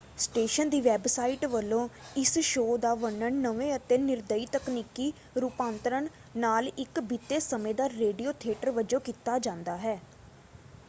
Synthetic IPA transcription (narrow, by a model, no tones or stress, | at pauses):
sʈeːʃənd̪iːʋɛːbsaːiʈʋəlːõːɪsʃoːd̪aːʋəɳəɳnəʋẽːət̪eːnɪɾd̪əiːt̪əkniːkiː | ɾuːpãːnt̪əɾəɳ | naːlɪkbit̪ːeːsəmẽːd̪aːɾeːɖioːt̪ʰɪeːʈəɾʋəd͡ʒõːkit̪aːd͡ʒãːnd̪aːɦɛː